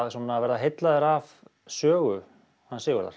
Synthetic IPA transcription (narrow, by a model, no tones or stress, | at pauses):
ðsɔnːavɛɾðaɦejt̪laðɪɾav | sœːɣʏ | hanːsɪːɣʏɾða̰ɾ̥